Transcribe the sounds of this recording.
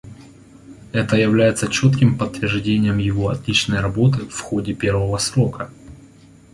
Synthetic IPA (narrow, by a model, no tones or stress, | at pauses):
ɛt̪əjɪvlʲæjɪt̪sət͡ɕo̞t̪kʲɪmpət̪ːvʲɪrʐdʲenʲɪjəmjɪvoɐt̪lʲit͡ɕnəjɾɐbo̞t̪ɨfxo̞dʲɪpʲe̞rvəvəsɾo̞kə